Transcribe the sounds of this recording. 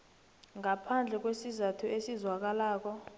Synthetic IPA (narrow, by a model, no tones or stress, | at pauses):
ŋapʰand͡ɮʱɛk̬wesizatʰuesizwak̬alaːk̬ɔ